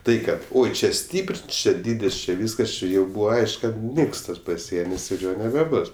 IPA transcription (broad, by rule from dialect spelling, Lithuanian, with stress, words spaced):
ˈtɐɪ ˈkɐt ˈoːɪ ˈt͡ʃʲɛ ˈsʲtʲiːpr ˈt͡ʃʲɛ ˈdʲiːdʲɪs t͡ʃʲɪ ˈʋʲiːskɐs ˈt͡ʃʲɪ jɛʊ ˈbuːʋɐ ˈɐɪʃk ˈkɐt ˈnʲɪks ˈtɐs pɐˈsʲiɛnʲɪs ɪr ˈjoː nʲɛbʲɛˈbʊs